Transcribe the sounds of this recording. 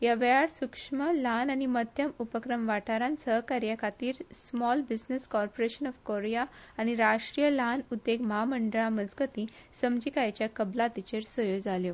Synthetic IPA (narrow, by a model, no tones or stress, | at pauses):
jaʋeaɽsukʂməlanañiməd̪ʱjəmupəkɾəmʋaʈaɾãnsəɦkaɾjakʰat̪iːɾsmɔlbid͡znəskɔɾpoɾeɕənɔfkoɾjaːɽ̃iɾaʂʈɾijəlanud̪ːeɡməɦaməɳɖəɭaməd͡zɡət̪ĩː | səmd͡ʑikajt͡ɕjakəblat̪it͡ɕeɾsəjod͡zaljo